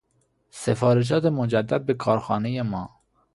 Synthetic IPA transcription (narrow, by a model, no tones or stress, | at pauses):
sefɒːɾed͡ʒɒːt̪ʰemod͡ʒæd̪ːæd̪̚bekʰɒːɾxɒːnejemɒː